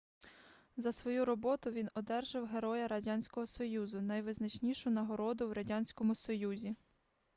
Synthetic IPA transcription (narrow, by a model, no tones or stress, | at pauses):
zɐsʋɔjuɾɔbɔt̪ʊʋʲinɔd̪ɛrʒɪwɦeɾɔjɐɾɐdʲanʲsʲkɔɦɔsɔjuzʊnɐjʋɪznɐt͡ʃnʲiʃʊnɐɦɔɾɔd̪ʊwɾɐdʲanʲsʲkɔmʊsɔjuzʲi